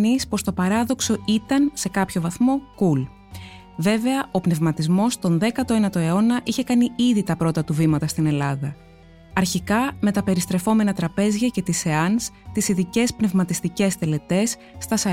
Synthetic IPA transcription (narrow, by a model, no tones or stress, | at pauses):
nispo̞st̪o̞pɐɾɐðo̞kso̞it̪ɐnse̞kɐpço̞vɐθmo̞kul | ve̞ve̞ɐo̞pne̞vmɐt̪izmo̞st̪o̞nðe̞kɐt̪o̞enɐt̪o̞e̞o̞nɐʔiçe̞kɐniiðit̪ɐpɾo̞t̪ɐt̪uvimɐt̪ɐst̪ine̞lɐðɐ | ɐɾçikɐme̞t̪ɐpe̞ɾist̪ɾe̞fo̞me̞nɐt̪ɾɐpe̞zʝɐce̞t̪ise̞ɐnst̪isiðice̞spne̞vmɐt̪ist̪ice̞st̪e̞le̞t̪e̞sː | t̪ɐsɐ